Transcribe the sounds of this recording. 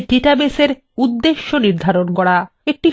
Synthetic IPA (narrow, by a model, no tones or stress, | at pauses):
ʈiʈabeseɾ | ud̪ːeʃːoniɾd̪ʱaɾonkɔɽa | ek̚ʈi